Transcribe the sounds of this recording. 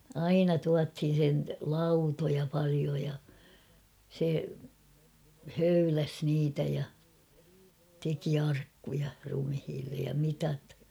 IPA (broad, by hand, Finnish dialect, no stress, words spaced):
ɑinɑ tuɑthin̞ sen lɑutojɑ pɑlio jɑ se høylæs niːtæ jɑ teki ɑrkːujɑ rumhiːlːej jɑ mitɑt